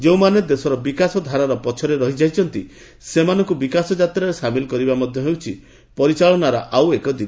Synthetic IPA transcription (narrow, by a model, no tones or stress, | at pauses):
d͡ʒewmaned̪esɔɾɔbikasɔd̪ʱaɾaɾɔpɔt͡ʃʰɔɾeɾɔɦid͡ʒajt͡ʃʰɔnt̪i | semanɔŋkubikasɔd͡ʒat̪ɾaɾesamilɔkɔɾibamɔd̪ʱjɔɦewt͡ʃʰi | pɔɾit͡ʃaɭɔnaɾɔʔawekɔd̪ib